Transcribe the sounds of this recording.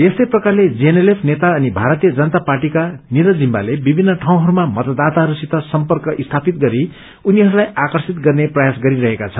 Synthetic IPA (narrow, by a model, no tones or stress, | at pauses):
est̪ʌjprʌkarled͡zenelepʰnet̪aʌnibʱaɾʌt̪ijʌd͡zʌnʌt̪aparʈikaniɾʌd͡zimba̰lebibʱinːʌʈʰaw̃ɦʌɾumamʌt̪ʌd̪at̪aɦʌɾusit̪ːʌsʌmpʌrkʌʔist̪ʰapit̪ɡʌɾi | uniɦʌɾulajakʌrsit̪ɡʌrneprʌjasɡʌɾiɾʌɦekat͡sʰʌnn